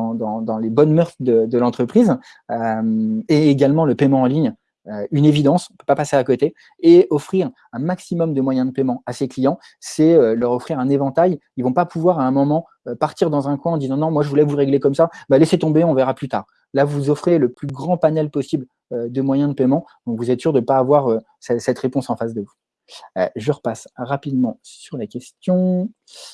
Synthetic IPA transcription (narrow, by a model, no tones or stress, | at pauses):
d̪ɑ̃d̪ɑ̃lebɔnmœʁt̪d̪əd̪əlɑ̃t̪χəpχiz | ømeːɡalmɑ̃ləpɛmɑ̃ːliɲ | øynevid̪ɑ̃sɔ̃pø̥papaseakɔt̪e | eɔfχiʁ | ɛ̃maksimɔmd̪əmwajɛ̃d̪əpɛmɑ̃aseklijɑ̃ | sɛølœʁɔfχiʁɛ̃nevɑ̃t̪ajilvɔ̃papuvwaʁaɛ̃mɔmɑ̃ | øpaʁt̪iʁd̪ɑ̃zɛ̃kwɛ̃ɑ̃d̪izɑ̃nɔ̃mwaʒəvulɛvuʁeɡlekɔmsabaleset̪ɔ̃beɔ̃vɛʁaplyt̪a̰ːʁ | lavuzɔfχeləplyɡʁɑ̃panɛlpɔsibl | ød̪əmwajɛ̃d̪əpɛmɑ̃d̪ɔ̃kvuzɛt̪syʁd̪əpaːvwaʁø | sɛsɛt̪χepɔ̃sɑ̃fasd̪əvṵ | ʒəʁəpasʁapid̪mɑ̃syʁlakʲɛst̪jɔ̃